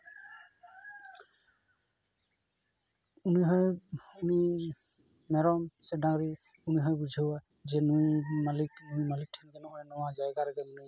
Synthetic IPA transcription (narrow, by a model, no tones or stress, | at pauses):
uniɦɔjuni | mɛɾɔmsɛdaŋɹi | uniɦɔjbud͡ʒʱɯwa | zɛnujmaliknujmalik̚tʰɛnɡɛnɔɦɔjnɔwazajɡaɾɛɡɛmuni